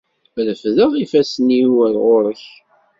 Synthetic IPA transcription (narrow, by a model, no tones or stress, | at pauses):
ɾəfðəʁifæsniwælʁoɾˤəç